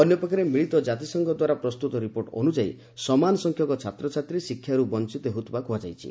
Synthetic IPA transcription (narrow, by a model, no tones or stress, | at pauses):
ɔnjɔpɔkʰaɾemiɭit̪ɔd͡ʒat̪isɔŋɡɔd̪waɾapɾɔst̪ut̪ɔɾipoɾʈɔ̰nud͡ʒaḭ | sɔmanɔsɔŋkʰjɔkɔt͡ʃʰat̪ɾɔt͡ʃʰat̪ɾisikʰːjaɾubɔnt͡ʃit̪ɔɦut̪bakuad͡ʒajt͡ʃʰḭ